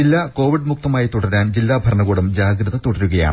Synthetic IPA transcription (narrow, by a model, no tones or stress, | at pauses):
ilːaːko̞ːʋiɖmuk̚t̪ɐmaːjit̪uɽɐɾaːnd͡ʑilːaːbʱɐɾɐɳɐɣoːɽumd͡ʑaːɡɾɐðɐt̪uɽɐɾuɣɐja̰ːɳ